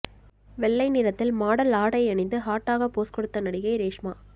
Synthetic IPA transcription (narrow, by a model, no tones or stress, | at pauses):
ʋɛɭːɐɪnɪɾɐt̪ːɪlmaːɽɐlaːɽɐɪɐɳɪnd̪ɯɦaːʈːaːɣɐpːoːskɔɽɯt̪ːɐnɐɽɪɣɐɪɾeːʂmaː